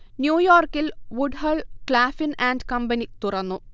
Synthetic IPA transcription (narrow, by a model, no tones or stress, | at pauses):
njuːjoːrkilʋuɖɦɐɭkɭaːfinaːnɖkɐmbɐnit̪urɐnːu